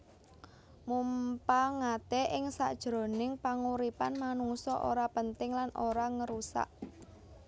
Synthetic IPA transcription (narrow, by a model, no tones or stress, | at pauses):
mumpaŋat̪ɛʔɪŋsa̰ʔd̥ʒ̥ɾo̤nɪŋpaŋuɾipanmanuŋsɔʔo̰ɾapənt̪ɪŋlanoɾaŋəɾusa̰ʔ